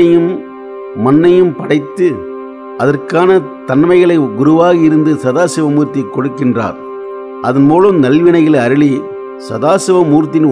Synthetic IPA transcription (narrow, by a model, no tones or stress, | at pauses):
ɐjɯmː | ɐnːɐjɯmpɐɽɐɪt̪ːɯ | ʔɐðɐrkaːnɐt̪ɐnmɐɪɣɐɭɐɪɡʊɾʊʋaːɣɐɪɾɯnd̪ɯsɐðaːsɪʋɐmuːɾt̪ːɐɪkːɔɽɯkːɪndra̰ːɾ | ʔɐðɐnmuːlɯmnɐlʋɪnɐɪɣɐlɐɾɯɭi | sɐðaːsɪʋɐmuːɾt̪ːɪn